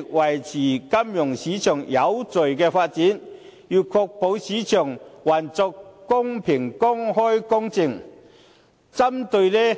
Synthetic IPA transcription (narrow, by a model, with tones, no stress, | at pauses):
k̚wɐ˨˩jt͡sʰiː˨˩kɐ˥mjʊ˨˩ŋsiː˨˥t͡ʃʰœː˨˩ŋjɐ˨˧wt͡sɵ˨ɥkɛː˧faː˧t̚t͡siː˨˥n | jyː˨˩kʰɔː˧k̚po˨˧wsiː˨˥t͡ʃʰœː˨˩ŋwaː˨˩nt͡sɔ˧kːʊ˥ŋpʰɪ˨˩ŋkʊ˥ŋhɔː˥jkʊ˥ŋt͡sɪ˧ŋ | t͡sɐ˥mt̪ɵ˧ɥlɛ˥